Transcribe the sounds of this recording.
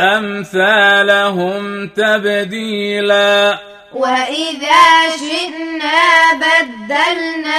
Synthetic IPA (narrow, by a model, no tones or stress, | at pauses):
ʔamθaːlʊɦʊmt̪abd̪iːlaː | waʔɪðaːʃɪd̪naːbad̪ːalnaː